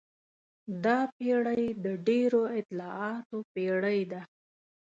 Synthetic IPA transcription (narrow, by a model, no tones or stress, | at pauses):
d̪ɑpeɽəjd̪əɖeɾoɪt̪lɑɑt̪opeɽəjd̪a